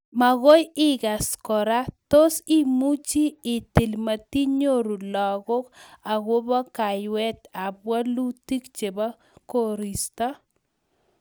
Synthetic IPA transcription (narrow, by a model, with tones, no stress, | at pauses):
ma˨ɣo˦jɪ˦ɡa˨skɔ˨ɾa˦to˦si˦mu˦t͡ʃiː˦˨ti˨lma˨ti˦ɲo˦ɾu˨lɔ˨ɣʊ˦ka˨ɣo˦ba˦ka˨jwɛ˦t̪a˨bwa˦lu˦ti˦kt͡ʃe˨ba˦ | ko˦ɾi˨sta˦